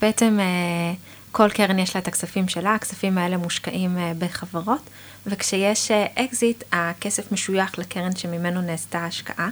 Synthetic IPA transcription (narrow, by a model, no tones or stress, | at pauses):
beeteme | kʰo̞lkeʁenjeʃlaet̪aksafimʃelaːksafimae̞le̞muʃkaʔimbeχavaʁo̞t | vekʃejeʃeʔekzitakesefmeʃujaχlekeʁenʃemimenoneːstaːʃka̰ʔa